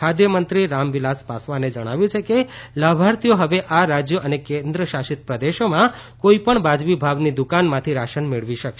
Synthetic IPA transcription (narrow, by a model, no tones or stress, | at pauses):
kʰad̪jəmənt̪ɾiɾamʋilaspasʋaned͡ʒəɽ̃aʋjũt͡ʃʰekelabʱaɾt̪ijoɦəʋeʔaɾad͡ʒjəʔənekẽnd̪ɾəʃaʃit̪pɾəd̪eʃomãkoipəɳbad͡ʒʋibʱaʋnid̪ukanmãt̪ʰiɾaʃənmeɭʋiʃəkʃe